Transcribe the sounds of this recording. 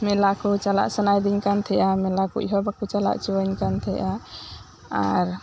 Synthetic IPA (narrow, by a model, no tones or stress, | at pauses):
melakut͡ʃala̰ʔsənajd̪inkant̪ʰɛʔamelakṵḭɦobakut͡ʃala̰ʔt͡ʃoənkant̪ʰɛ̰ʔa | a̰ɾ